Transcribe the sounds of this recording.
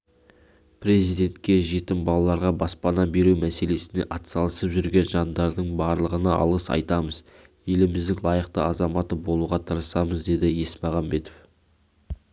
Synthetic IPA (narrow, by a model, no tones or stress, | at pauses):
pɾe̞zijd̪e̞nt̪kʲe̞ʒe̞t̪ɪnbɑlˠɑlˠɑɾʁɑbɑspɑnɑbe̞ɾuwmæse̞le̞sɪne̞̰ʔɑt̪sɑlˠəsəpʒʏɾɡʲe̞nʒɑnd̪ɑɾd̪əɴbɑɾlˠəʁənɑʔɑ̰lˠəsɑ̰jt̪ɑməz | je̞lɪmɪzd̪ɪŋlˠɑjəqt̪əɑzɑmɑt̪əbo̞lˠuʁɑt̪ʰəɾəsɑməzd̪e̞d̪ɪje̞smɑʁɑmbe̞t̪of